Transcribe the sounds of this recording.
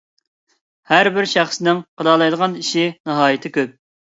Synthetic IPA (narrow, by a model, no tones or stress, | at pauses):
hæɾbɪɾʃæχsɪnɪŋqʰəd̪ɑlˠɑjd̪əʁɑniʃinɨɦɑːjɪt̪ʰɪkʲøp̚